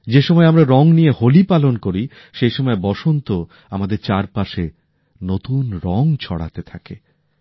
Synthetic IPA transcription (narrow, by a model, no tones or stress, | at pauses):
d͡ʑeʃɔmɔeamɾaɾɔŋnijeholipalonkoɾi | ʃejʃɔmɔebɔʃont̪o | amad̪eɾt͡ɕaɾpaʃe | not̪unɾɔŋt͡ɕʰɔ̰ɽa̰t̪et̪ʰake